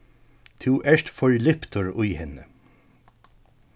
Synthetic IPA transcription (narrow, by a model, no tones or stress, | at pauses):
t̪ʰuːʔæʃtfɔɹlɪpt̪ʰəɹʊjhɛnə